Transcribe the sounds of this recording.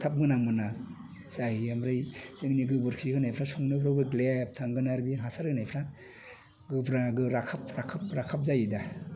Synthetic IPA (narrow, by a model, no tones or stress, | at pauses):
tʰap̚ɡɯnamɯna | sahiamɾɯjsɯŋniɡɯbɯɾkʰiɡɯnajpʰɾasɔŋnɯbɾabɯɡlep̚tʰaŋɡɯnaɾbinɦasaɾɡɯnajpʰɾa | ɡɯbɾaɡɯɾakʰapɾakʰap̚ɾakʰap̚zajida